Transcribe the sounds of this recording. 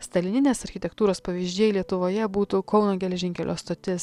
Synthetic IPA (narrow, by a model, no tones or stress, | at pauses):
st̪ɐlʲɪnʲɪnʲeːsɐɾʲxʲɪt̪ʲɛkt̪uːɾoːspɐʋʲiːʒʲd͡ʒʲiɛjlʲiɛt̪ʊʋoːjɛbuːt̪ukɒʊnoːɡʲɛlʲɛʒʲɪŋʲkʲɛlʲʔo̰ːst̪oːt̪ʲɪs